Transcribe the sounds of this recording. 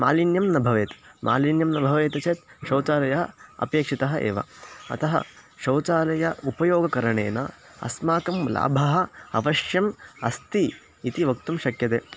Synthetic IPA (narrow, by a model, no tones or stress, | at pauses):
maːlinjɐmnɐbʱɐʋeːt̪mʔa̰ːlinjɐmnɐbʱɐʋeːt̪ɐt͡ʃeːt̪ʃɐwt͡ʃaːlɐjɐɦɐɐ̰pjeːkʂit̪ɐɦɐʔḛːʋɐ̰ɐ̰t̪ɐɦɐ̰ʃɐwt͡ʃaːlɐjɐupɐjoːɡɐkɐɾɐɳḛːnɐ̰ | ɐ̰smaːkɐmla̰ːbʱɐɦɐ̆ɐ̰ʋɐʃjɐmɐst̪i | it̪iʋɐkt̪umʃɐkjɐt̪eː